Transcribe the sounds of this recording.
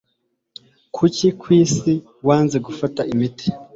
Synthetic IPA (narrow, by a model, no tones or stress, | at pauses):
kʰucikwiːsi | waːnze̞ɡufataʔimiti̥